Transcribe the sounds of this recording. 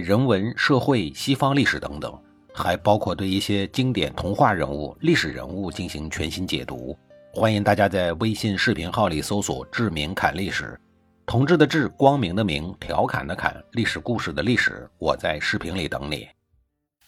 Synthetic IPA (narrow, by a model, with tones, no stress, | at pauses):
ɻə˧˥nwə˧˥nʂɤ˥˧xwe˥˩ɪɕi˥fɑ˥ŋli˥˩ʂɻ̩˨˩t̪ɤ̰˧˥ŋt̪ɤ̰˨˩˦ŋ | xa˧˥ɪpɑ˥ʊkʰwɔ˥˧t̪we˥˧ɪi˥˩ɕjɛ˥t͡ɕi˥ŋt̪jɛ̰˨˩nt̪ʰʊ˧˥ŋxwa˥˩ɻə˧˥nu˥˩li˥˩ʂɻ̩˨˩ɻə̰˧˥nu˥˧t͡ɕi˥˩nɕi˧˥ŋt͡ɕʰɥɛ̰˧˥nɕi˥nt͡ɕjɛ̰˨˩t̪ṵ˧˥ | xwa˥ni˧˥ŋt̪a˥˩t͡ɕja˥t͡sa˥˩ɪwe˥ɪɕɛ˥˧nʂɻ̩˥˩pʰi˧˥ŋxɑ˥˩ʊli˨˩so˥ʊswɔ̰˨˩ʈ͡ʂɻ̩˥˩mi˧˥ŋkʰa̰˨˩nli˥˩ʂɻ̩̰˨˩˦ | t̪ʰʊ˧˥ŋʈ͡ʂɻ̩˥˩d̪ə˩ʈ͡ʂɻ̩˥˩kwɑ˥ŋmi˧˥ŋd̪ə˧mi˧˥ŋt̪ʰjɑ˧˥ʊkʰa̰˨˩nd̪ə˦kʰa̰˨˩nli˥˩ʂɻ̩˨˩ku˥˧ʂɻ̩˥˩d̪ə˩li˥˩ʂɻ̩̰˨˩˦wɔ˨˩t͡sa˥˧ɪʂɻ̩˥˩pʰi˧˥ŋli˨˩t̪ɤ̰˧˥ŋnɛ̰˨˩˦